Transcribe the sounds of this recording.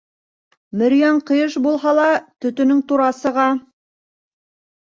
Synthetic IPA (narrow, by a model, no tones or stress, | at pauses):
mɘ̆ɾjɑɴqɤ̆jɤʃbulˠɦɑlˠɑt̪ɵ̆t̪ɵ̆nɵŋt̪uɾɑsɤ̆ʁɑ